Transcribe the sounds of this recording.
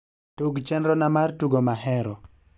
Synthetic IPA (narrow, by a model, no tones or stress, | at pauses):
tuɡt͡ʃɛnɾɔnamartuɡomaɦɛɾɔ